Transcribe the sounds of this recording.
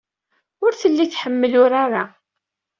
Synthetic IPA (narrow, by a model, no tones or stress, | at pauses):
ʊɾθəlːiθħəmːəlʊɾaɾa